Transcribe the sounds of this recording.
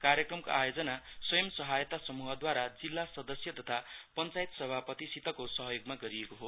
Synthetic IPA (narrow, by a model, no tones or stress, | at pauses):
karjekrʌmko̰ajod͡zʌnaswʌjʌmsʌɦajt̪asʌmuɦʌd̪waɾad͡zilːasʌd̪ʌsjʌt̪ʌt̪ʰapʌnt͡sajit̪sʌbʱapʌt̪isit̪ʌkosʌɦʌjoɡmaɡʌɾiekoɦo